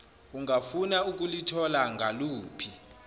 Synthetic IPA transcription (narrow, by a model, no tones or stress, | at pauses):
uŋafunauk̬ʼulitʰɔlaŋʱaluːpʰi